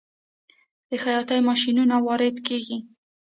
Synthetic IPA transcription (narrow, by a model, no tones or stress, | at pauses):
d̪̥əxajɑt̪ajmɑʃinunawɑɾɪd̪keɡi